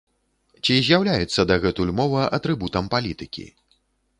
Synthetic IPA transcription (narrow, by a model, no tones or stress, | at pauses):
t͡sʲizʲjawlʲajut̪sːɐd̪ɐɣɛt̪ujʲmɔvɐʔɐt̪ɾɨbut̪ɐmpalʲit̪ɨkʲḭ